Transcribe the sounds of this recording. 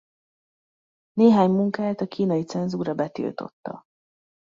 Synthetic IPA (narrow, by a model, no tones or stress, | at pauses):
neːɦaːɲmuŋkaːt̪ɒkiːnɒjit̪sɛnzuːɾɒbɛt̪ḭlt̪o̞̰t̪ːɒ̰